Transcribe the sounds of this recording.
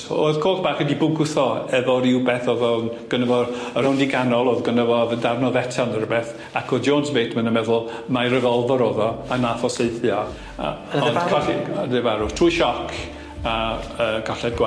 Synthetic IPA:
o̰ðkʰoːlˠtb̥aːχɛdibʊɡʊθɔɛvɔɾɪwbɛθoðɔnɡ̥ənəvɔərawndɪɡanɔlˠoðɡənəvɔðəndarnɔðɛtʰanəɾəbɛθ | akʰoðd͡ʒoːnsbeːtʰmənəmɛðʊlˠmajɾəvɔlˠvɔɾoːðɔanaθɔseɨθjɔ | ɔnɔdevaɾʊ̥tʰruːjʃɔkʰ | aəɡɔɬɛd̚ɡwa

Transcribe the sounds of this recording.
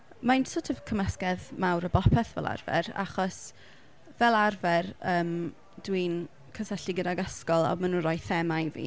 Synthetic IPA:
mansʊtʰɔvkʰəməskɛðmawɾəbɔpʰɛθvɛ̰lˠa̰rvɛ̰ra̰χɔs | vɛlˠarvɛrəːm | d̥win | kʰəsɛɬiɡədaɡaskɔlˠa̰manunrɔjθɛmajvḭː

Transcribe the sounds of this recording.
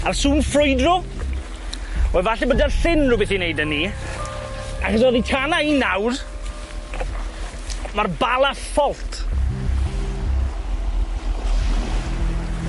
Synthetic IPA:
arsuːnfrʊjdrɔ | ɔɛvaɬɛbədarɬɪnrubɪθinejdənːi | aχəs̬ɔðitʰanainawr | marbalˠaθfɔlˠtʰ

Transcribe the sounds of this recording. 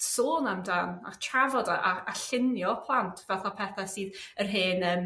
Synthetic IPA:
soːnamdaːna̰t͡ʃʰavɔdaʔaaɬɪnjɔpʰlˠantʰv̥ɛlˠθapʰɛθasiːðərɦeːnəm

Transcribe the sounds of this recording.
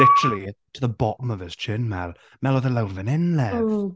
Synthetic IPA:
lɪtəɹəlˠitʰəðəbɔʔəməvɪz̥t͡ʃʰɪːnmɛlˠ | mɛlˠoðəlawnvə̃nɪnlɛ

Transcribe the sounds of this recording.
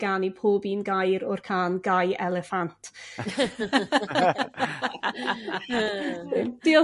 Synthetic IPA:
ɡ̥anipʰoːbinɡajɾɔrkʰaːnɡajɛlɛfantʰ | d̥iɔ

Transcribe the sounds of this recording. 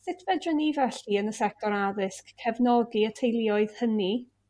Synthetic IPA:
sɪtʰvɛdənivɛɬiənəsɛk̚tʰɔɾaðɪskʰːɛvnɔɡiətʰejlˠɪɔɨð̥həni

